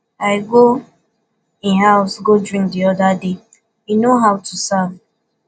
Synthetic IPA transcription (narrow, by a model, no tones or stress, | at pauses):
aɪɡo | ĩnɦaʊsɡodɾĩŋkdiɔdade | inoɦaʊtusav